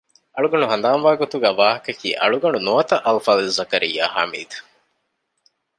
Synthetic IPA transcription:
ɐɭuɡɐɳuɦɐnd̪aːnʋaːɡot̪uɡæːʋaːɦɐkɐkḭːʔɐ̰ɭuɡɐɳunuɐt̪ɐʔɐlfaːlizɐkɐɾḭjːa̰ːha̰ːmḭːd̪u̥

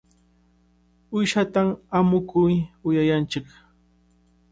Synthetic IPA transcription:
ʊjʃat̪amamʊkʊjʊjajant͡ʃɪk

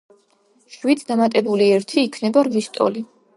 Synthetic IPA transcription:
ʃwit̪sʰd̪amat̪ʼɛbuliɛɾt̪ʰiːkʰnɛbaɾvist̪ʼɔ̰li

